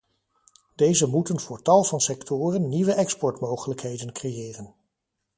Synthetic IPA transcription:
d̥ejzəmutənvʊːɹtɑlˠvɑnsɛktʊːrənːiʋəʔɛkspɔɹtmowχələkɦejdənkrejɪːrən

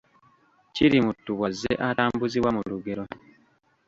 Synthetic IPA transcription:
ciɾimutːuβwazːḛʔataːmbuziwamuluɡe̞ɾo̞

